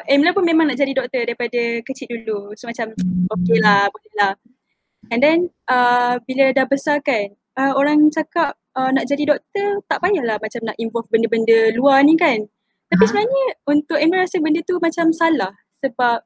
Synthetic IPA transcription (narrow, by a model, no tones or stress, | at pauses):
ʔɛmlapʊnmẽmaŋnaʔd͡ʒadidɔk̚t̪ədaɾipadakət͡ʃit̪ʔ̪̚dulusəmat͡ʃamokelahboləlah | ɛndɛnəbilədahbəsarkan | əoɾaŋt͡ʃakap̚ənaʔd͡ʒadidɔk̚t̪ərt̪aʔbajaʔlahmat͡ʃamnaʔinvɔlfbəndəbəndəluanĩkan | t̪apisənaɲəunt̪ʊk̚ɛmləɾasəbəndət̪umat͡ʃamsalah | səbap̚